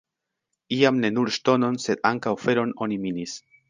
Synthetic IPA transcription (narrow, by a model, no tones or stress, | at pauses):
iamne̞nuɾʃto̞no̞nse̞d̪aŋkawfe̞ɾo̞no̞niminis